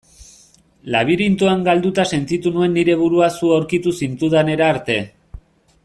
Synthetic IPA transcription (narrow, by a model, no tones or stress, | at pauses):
laβ̞iɾint̪uaŋɡald̪ut̪ase̞nt̪it̪unue̞nːiɾe̞β̞uɾuasuawɾkit̪usint̪uðane̞ɾaːɾt̪e̞